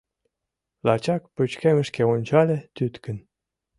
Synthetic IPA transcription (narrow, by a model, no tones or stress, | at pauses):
lɑt͡ɕɑk̚pøt͡ɕkemə̆ʃkeonʲt͡ɕɑlʲet̪yt̪kə̆n